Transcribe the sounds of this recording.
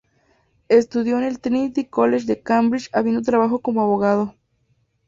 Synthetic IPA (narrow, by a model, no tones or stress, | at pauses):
est̪uðjoenelt̪nit̪ikoleʃd̪ekambɾit͡ʃaβind̪ot̪̬ɾaβaxokomoaβoɣað̞o